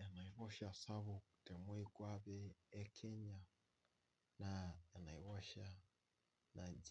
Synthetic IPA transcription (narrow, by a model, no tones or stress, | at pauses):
janaiβɔʃasaβuku̥tɛmwɛikwaβɛɛkʰɛɲa | najanaiβɔʃa | nad͡ʒ